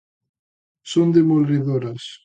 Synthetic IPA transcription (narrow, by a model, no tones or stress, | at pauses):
sond̪emolɾiðoɾas